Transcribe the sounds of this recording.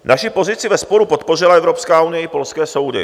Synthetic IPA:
nʔaʃɪpo̞zɪt͡sɪvɛspo̞ɾupo̞t̪̚po̞r̝ɪlaɛvɾopskaːunɪjɛpo̞lskɛːso̞wdɪ̰

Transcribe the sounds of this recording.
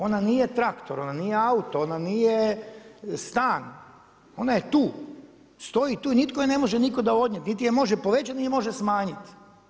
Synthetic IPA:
o̞naniːjet̪ɾakt̪oɾo̞naniːjeaut̪oonanije | st̪aːn | o̞najet̪uː | st̪o̞jit̪uːinit̪ko̞jene̞moʒeniko̞d̪ao̞d̪nɲet̪nit̪ijemo̞ʒepo̞ʋe̞t͡ɕat̪niemo̞ʒesmaːɲit̪

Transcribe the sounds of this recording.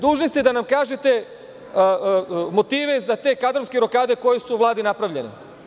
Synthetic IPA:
d̪uːʒnost̪id̪anamkaːʒet̪e̞ | mo̞t̪iːʋe̞zat̪e̞ːkad̪ɾo̞ʋske̞ɾo̞kaːd̪e̞ko̞jesuːʋlˠaːd̪inapɾaʋʎe̞nḛ

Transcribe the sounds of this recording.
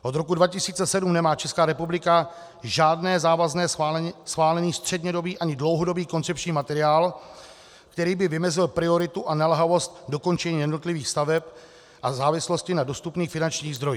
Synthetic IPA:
ʔo̞d̪ɾo̞kudvacɪsiːt͡sɛsɛdumnɛmaːt͡ʃɛskaːɾɛpublɪka | ʒaːdnɛːzaːvaznɛːsxvaːlɛniːst̪r̥ɛdɲɛdo̞biːʔaɲɪdlowɦodo̞biːko̞nt͡sɛp̚t͡ʃɲiːmat̪ɛɾɪaːl | kt̪ɛɾiːbɪvɪmɛzɪlpɾɪo̞ɾɪt̪uʔanalɛɦavo̞st̪̚do̞ko̞nt͡ʃɛɲiːjɛdnot̪lɪviːxst̪avɛp | ʔazaːvɪslo̞scɪnado̞st̪upniːxfɪnant͡ʃɲiːɣzd̪ɾo̞jiː

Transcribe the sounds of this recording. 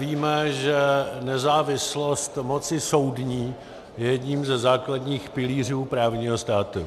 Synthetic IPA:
viːmɛʒɛnɛzaːvɪslo̞st̪mo̞t͡sɪso̞wdɲiː | jɛjɛdɲiːmzɛzaːkladɲiːxpɪliːr̝uːpɾaːvɲiːɦo̞st̪aːt̪ṵ

